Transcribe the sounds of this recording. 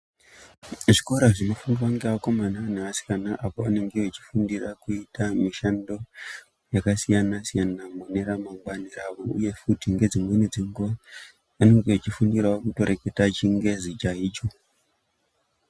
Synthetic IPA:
ʐiko̞ɾaʐinofundiwaŋɡeako̞mananeʋasi̥kanaʔapoane̞ŋɡeet͡ʃi̥fundirakuitamiʃando̞ | jakasijanasijanamune̞ɾamaŋɡwaniraʋo̞ṵje̞futiŋɡe̞d͡zimwenid͡ziŋɡua | ane̞ŋɡeet͡ʃifundiɾaokuto̞ɾeketat͡ʃiŋɡe̞zit͡ʃaiːt͡ʃo

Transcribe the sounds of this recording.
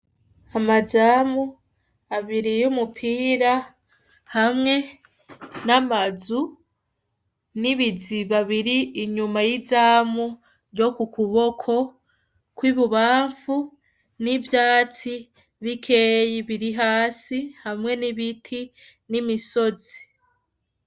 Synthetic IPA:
amazaːmu | aβiɾijumupʰiːɾa | hamŋe̞ | namazu | niβiziβaβiɾiːɲumajizaːmu | ɾjo̞kukʰuβo̞kʰo̞ | kwiβuβaːɱfu | nivjaːt͡si | βikʰe̞ːjiβiɾiɦaːsihamŋe̞niβitʰi | nimiso̞zi

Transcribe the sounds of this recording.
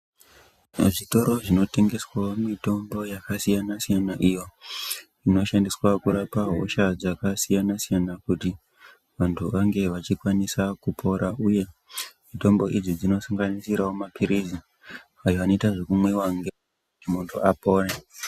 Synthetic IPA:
ʐito̞ɾo̞ʐino̞te̞ŋɡe̞swaomito̞mbo̞jakasijanasijanaʔijo̞ | ino̞ʃandiswakuɾapaɦoʃad͡zakasijanasijanakuti | ʋantʰuʋaŋɡe̞ʋat͡ʃikwanisakupʰo̞ɾauje̞mito̞mbo̞ʔid͡zid͡zino̞saŋɡanisiɾawomapʰiɾizi | ajo̞ano̞itaʐe̞kumwe̞waŋɡe | emuntʰṵapo̞ːre

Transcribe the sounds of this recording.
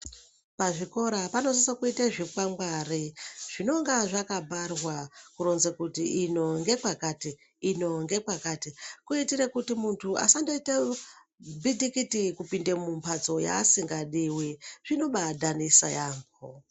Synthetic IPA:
paʐiko̞ɾapano̞s̬isakuitaʐikwamɡwariʐ̥ino̞ŋɡaʐakabʱarwakuɾonzekutiːno̞ŋɡe̞kwakatiː | no̞ŋɡe̞kwakatikuitiɾekutimuntʰua̰sandoite | bidikitikupindemumpʰat͡so̞ja̰ːsiŋɡaɗiwiʐino̞ɓadʱanisa̰jaːmbo

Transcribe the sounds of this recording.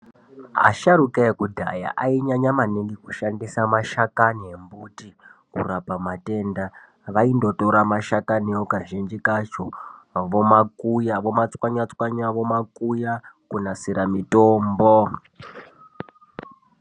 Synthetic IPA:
ɦa̰ʃaɾukaekudʱa̰ja̰ʔaiɲaɲamaniŋɡikuʃandisamaʃakaniembutikṵrapamate̞nda | ʋaindo̞to̞ɾamaʃakaniokaʒind͡ʒikat͡ʃoʋo̞makujaʋo̞mat͡swaɲat͡swaɲaʋo̞makujakunasiɾamitoːmbo

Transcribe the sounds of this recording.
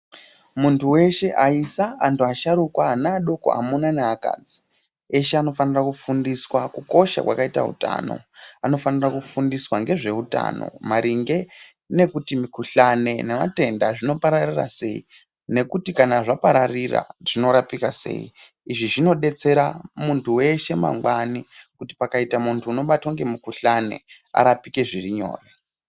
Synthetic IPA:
muntuwe̞ʃe̞ʔaisaːntuaʃaɾukwaːnaːɗo̞ko̞̰a̰munaneaka̰d͡zi̥ | eʃeano̞fanirakufundiswakuko̞ʃa̰kwa̰kaita̰ṵta̰no̞̰ano̞fanirakufundiswaŋɡe̞ʐe̞uta̰ːno̞̰maɾiŋɡe̞ | ne̞kutimikuɬane̞nema̰te̞ndaʐino̞paɾarira̰se̞ḭ | ne̞kutikanaʐapaɾarira̰ʐ̥ino̞ɾapikase̞̰ːḭ | iʐiʐino̞ɗe̞t͡se̞ɾamuntʰuwe̞ʃe̞ma̰ŋɡwanikuti̥pakaitamuntʰuːno̞ɓatwoŋɡe̞mikuɬane̞̰ | a̰ɾapike̞ʐiriɲo̰ːre

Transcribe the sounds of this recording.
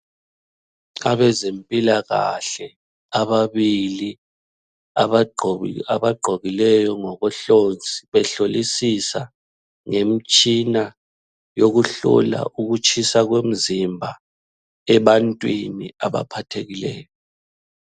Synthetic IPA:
aβɛzempʼilaɣa̰ɬɛ | aβaβili | aβaɡ͡ǃʱoɣilɛjɔŋɔɣɔɬond͡zʱʼiβɛɬolisisa | ŋem̩t͡ʃʼina | joɣuɬɔ̰la̰ʔuɣut͡ʃʰʼisaɣwem̩zimbʱa | ɛβantʼwiniaβa̰pʰatʰeɣilɛ̰ːjɔ

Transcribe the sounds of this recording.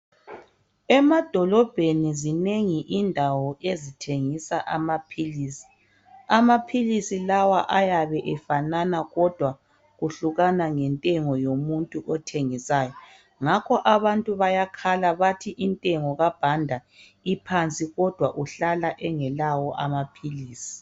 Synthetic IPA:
ɛmad̥ʱɔlɔb̥ʱenizineŋiʔindʱawɔʔezitʰeŋisaʔamapʰilisi̥ | amapʰilisilawaʔajaβɛʔɛfananaɣɔd̥ʱwa | ɣuɬuɣanaŋɛntʼɛŋɔjomuntʼuʔɔtʰeŋisaːjɔ | ŋakʰɔʔaβantʼuβajakʰalaβatʰiʔintʼɛŋɔɣab̥ʱandʱa | ipʰant͡sʼiɣɔd̥ʱwaʔuɬalaʔɛŋɛlawɔʔamapʰiliːsi̥

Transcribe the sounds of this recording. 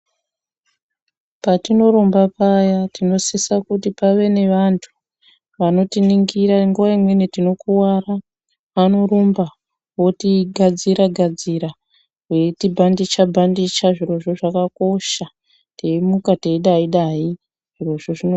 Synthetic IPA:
patino̞ɾo̞mbapajatino̞sesakutipaʋe̞ne̞ʋantʰu̥ | ʋano̞tiniŋɡiɾaŋɡuʋaimwe̞nitino̞kuwara | ʋano̞ɾomba | wo̞tiɡʱad͡ziɾaɡʱad͡ziɾa | wwetibʱandit͡ʃabʱandit͡ʃaʐiro̞ʐo̞ʐakako̞ʃa | te̞imukateiɗaiɗai | ʐ̥iro̞ʐoʐino

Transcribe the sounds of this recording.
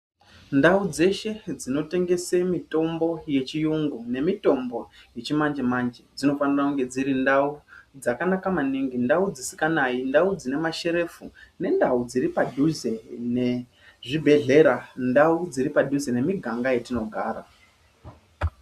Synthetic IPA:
ndaud͡ze̞ʃe̞d͡zino̞te̞ŋɡe̞semito̞mbo̞je̞t͡ʃijuŋɡune̞mito̞mbo̞je̞t͡ʃimand͡ʒemand͡ʒed͡zino̞fanirakuŋɡe̞d͡ziɾindaud͡zakanakamaniŋɡindaud͡zisi̥kanaindaud͡zine̞maʃe̞ɾe̞fune̞ndaud͡ziɾipadʱuze̞ne | ʐibʱe̞ɮe̞ɾandaud͡ziɾipadʱuzene̞miɡʱaŋɡaje̞tino̞ɡʱa̰ːra̰

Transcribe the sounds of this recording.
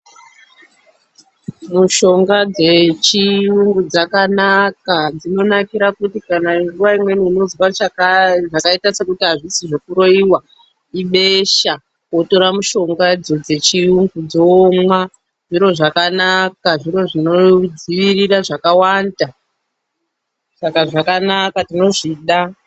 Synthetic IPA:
muʃo̞ŋɡad͡zet͡ʃiuŋɡud͡zakanakad͡zino̞nakiɾakutikanaiɡuwaimwe̞niːno̞zwa | ʐakaitase̞kutiɦaʐisiʐo̞kuɾo̞iwa | iɓeʃa | koto̞ɾamuʃo̞ŋɡad͡zod͡ze̞t͡ʃiuŋɡud͡zomwa | ʐ̥iɾo̞ʐakanakaʐiɾo̞ʐino̞d͡ziʋiriraʐakawanda | sakaʐakanakatino̞ʐiɗa

